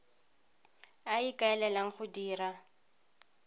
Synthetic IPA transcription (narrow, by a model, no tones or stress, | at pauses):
aikʼaɛlɛlaŋ̩χʊdiːra